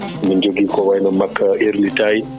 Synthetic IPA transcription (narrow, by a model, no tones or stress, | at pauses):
mind͡ʒoɡikɔwajnɔmakʰːaʔiɾlitaj